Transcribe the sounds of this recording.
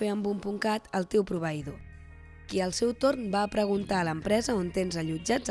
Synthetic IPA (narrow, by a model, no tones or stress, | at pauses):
eəmbumpuŋkat̪əlˠt̪ewpɾuβ̞əiðo | kiəlˠsɛwt̪ornbaːpɾəɣ̞unt̪aləmpɾɛzəont̪enzəʎud͡ʒad͡z